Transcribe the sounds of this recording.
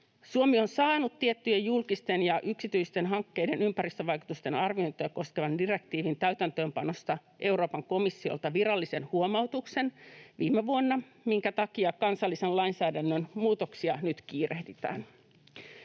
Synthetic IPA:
suomio̞nsɑːnut̪ːiet̪ːyjejjulkist̪e̞njɑʔyksit̪yijst̪e̞nɦɑŋkːe̞jde̞nympæɾist̪øʋɑjku̥t̪ust̪e̞nɑrʋio̞nt̪ojɑko̞skeʋɑndire̞k̚t̪iːʋint̪æyt̪ænt̪ø̞ːmpɑno̞st̪ɑʔe̞wɾoːpɑŋko̞misːio̰lt̪ɑʋirɑlːise̞nhuomɑwt̪ukse̞nʋiːmːeʋuonːɑ | miŋkæt̪ɑkiɑkɑnsɑlːisellɑinsæːdænːønmuːt̪o̞ksiɑnyt̪kiːrehdit̪æ̰ːn

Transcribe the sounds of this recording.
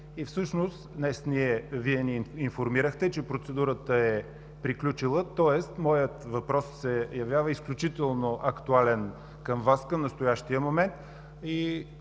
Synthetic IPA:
ifsɤʃnost̪d̪nɛsniɛviɛniinfoɾmiɾəxt̪ɛt͡ʃɛpɾot̪sɛd̪uɾət̪əɛ | pɾiklʲut͡ʃilˠət̪ɔɛst̪mɔjət̪vɐpɾɔssɛjɐvjavəisklʲut͡ʃit̪ɛlˠnoʔɐkt̪ualɛn | kəmvaskəmnəst̪ʊjaʃt̪ijəmomɛnt̪ | i

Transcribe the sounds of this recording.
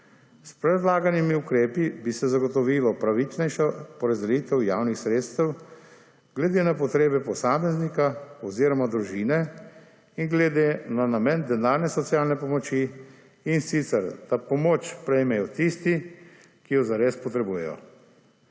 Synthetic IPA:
spɾɛd̪laːɡanimiukɾeːpibisɛzaɡɔt̪ɔʋiːlɔpɾaʋit͡ʃnɛjʃapɔɾazd̪ɛjiːt̪ɛwjaːwnixsɾeːt̪st̪ɛw | ɡlɛd̪eːnapɔt̪ɾeːbɛpɔsaːmɛznikaɔziːɾɔmad̪ɾuʒiːnɛ | iŋɡlɛd̪enanamɛnd̪ɛnaːɾnɛsɔtsijaːlnɛpɔmɔt͡ʃiː | nsit̪sɛɾd̪̥apɔmoːt͡ʃpɾɛjmɛjɔt̪ist̪i | kijɔzaɾeːspɔt̪ɾɛbujɛ̰jɔ̰

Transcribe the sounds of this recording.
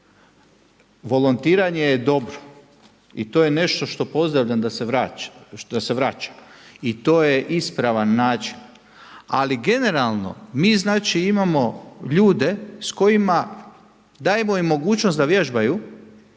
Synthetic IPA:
ʋo̞lont̪iːɾaɲejed̪o̞bɾo̥ | it̪oːjene̞ʃt̪o̞ʃt̪o̞po̞zd̪ɾaʋʎand̪aseʋɾaːd̪aseʋɾaːt͡ʃḁit̪oːjeʔispɾaʋanːaːt͡ʃi̥n | a̰liɡe̞ne̞ɾalˠno̞̰miːznaːt͡ʃiimamo̞ʎuːd̪e̞sko̞jima | d̪aːjemo̞imːo̞ɡuːt͡ʃnost̪d̪aʋjeʒbaju

